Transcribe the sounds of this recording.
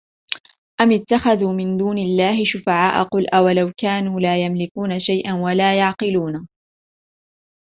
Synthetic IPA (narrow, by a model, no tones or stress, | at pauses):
ʔamɪt̪ːaxaðuːmɪnd̪uːnɪlːaːhɪʃʊfaʕaːʔa̰qʊlʔawalawkaːnuːlaːjamlɪkuːnaʃajʔanwalaːjɑʕqɨluːna